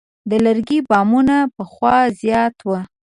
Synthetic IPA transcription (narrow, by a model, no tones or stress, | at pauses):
d̪ələɾɡibɑmunapəxwɑzjɑt̪wə